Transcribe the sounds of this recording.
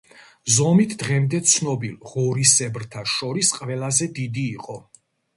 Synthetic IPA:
zɔmit̪ʰd̪̥ʁɛmd̪ɛt̪sʰnɔbilˠʁɔɾisɛbɾt̪ʰaʃɔɾisqʼvɛlazɛd̪id̪iːqʼɔ

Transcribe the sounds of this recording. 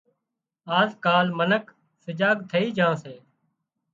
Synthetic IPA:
aːzkaːlmənək | səd͡ʒaːɡt̪ʰəiːd͡ʒãːseː

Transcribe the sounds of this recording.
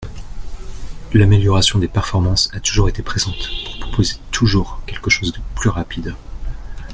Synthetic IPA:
lameljɔʁasjɔ̃d̪epɛʁfɔʁmɑ̃sat̪uʒuʁet̪epχezɑ̃t̪pu̥ʁpχɔ̥pozet̪ʰuʒuʁkʲɛlkəʃozd̪əplyʁapid̪

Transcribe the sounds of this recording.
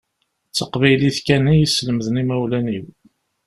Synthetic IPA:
t͡sːəqvæjliθkænijisləməðənimæwlæniw

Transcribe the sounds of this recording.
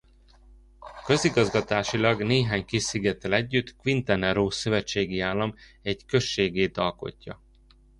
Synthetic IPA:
kø̞ziɡɒzɡɒt̪aːʃilɒɡneːɦaːɲkiʃsiɡɛt̪ɛlɛɟːyt̪kʋint̪ɛnɛɾoːsø̞vɛt͡ʃːeːɡiaːlːɒmɛɟkø̞ʃːeːɡeːt̪ɒlko̞̰cːɒ̰

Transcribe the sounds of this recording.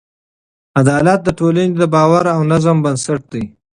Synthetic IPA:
ad̪ɑːlat̪̚d̪əʈolaned̪əbɑːwaɾawnazambənsaʈ̚d̪aj

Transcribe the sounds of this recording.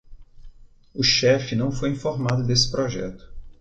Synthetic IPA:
ʊʃɛfɪnɐ̃w̃fojĩfoɾmad̪ʊd̪esɪ̥pɾoʒɛ̰t̪ʊ̥

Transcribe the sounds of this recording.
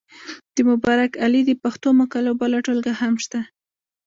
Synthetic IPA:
d̪̥əmʊbɑɾakalid̪əpaxt̪omakalawbalaʈolɡahamʃt̪a

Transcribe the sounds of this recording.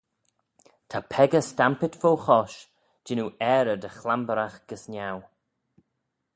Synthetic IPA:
t̪ʰapʰɛɡəstampɪt̪fowxɔʃ | d͡ʒɪnuɛːɾəd̪əxlambəɾaxɡ̥əsnʲaw

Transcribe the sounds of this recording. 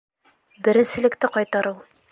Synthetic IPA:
bɘ̆ɾɘ̆nsɘ̆lɘ̆kt̪ɘqɒjt̪ɑɾɤwˠ

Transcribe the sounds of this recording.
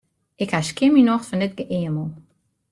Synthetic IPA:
ɪkhaʃkɪminɔxtfɔndɪt̚ɡəʔeəməlˠ

